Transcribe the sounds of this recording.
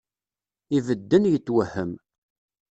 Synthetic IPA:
ivəd̪ːənjət͡sːwəhəm

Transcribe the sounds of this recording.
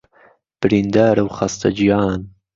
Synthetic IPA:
b̥ɾind̪aːɾawχast̪a̰d͡ʒijɑːn

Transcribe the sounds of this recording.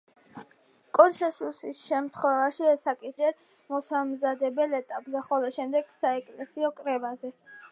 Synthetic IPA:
kʼɔnsɛnsusisʃɛmt̪ʰχwɛvaʃiɛsakʼid͡ʒɛɾ | mɔsamzad̪ɛbɛlɛt̪ʼapʼzɛχɔlɔʃɛmd̪ɛɡ̥saɛkʼlɛsiɔkʼɾɛvazɛ

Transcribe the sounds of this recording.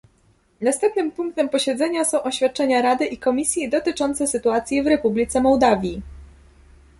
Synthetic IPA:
nast̪ɛmp̚nɘmpuŋk̚t̪ɛmpɔɕɛd̪zɛɲasɔ̃w̃ʔɔɕfʲjat̪̚t͡ʂɛɲaɾad̪ɘʔikɔmʲisʲjid̪ɔt̪ɘt͡ʂɔnt̪sɛsɘt̪uat̪sʲjivɾɛpublʲit̪sɛmɔwd̪avʲji

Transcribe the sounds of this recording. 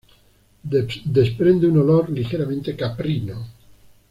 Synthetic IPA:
d̪espɾe̞nd̪eunoloɾlixeɾamẽnt̪ekapɾino

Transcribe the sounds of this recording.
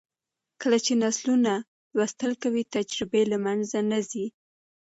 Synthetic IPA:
kəlat͡ʃenasluna | wast̪əlkawit̪ad͡ʒɾɪbelamanzanazi

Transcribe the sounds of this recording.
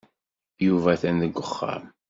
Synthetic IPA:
juvæθænðəɡʷːəχːa̰m

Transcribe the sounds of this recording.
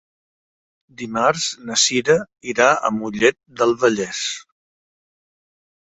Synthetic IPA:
d̪imaɾznəsiɾə | iɾaə̰muʎɛt̪̚d̪əlˠβəʎɛs

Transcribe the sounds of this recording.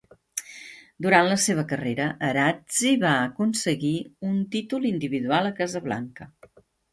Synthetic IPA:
d̪uɾanləseβ̞əkəreɾəʔəɾad͡ziβaəkunsəɣiunt̪it̪ulind̪iβiðualˠəkazəβla̰ŋkə

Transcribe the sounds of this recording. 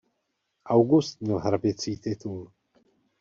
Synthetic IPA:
ʔawɡust̪̚mɲɛlɦɾabɪt͡siːt̪ɪt̪ul

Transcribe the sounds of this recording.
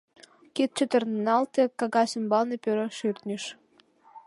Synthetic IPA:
kit̪̚t͡ɕøt̪ə̆rnnɑlt̪ĕkɑɣɑsəmbɑlnepøɾəʃyrt̪nʲiʃ

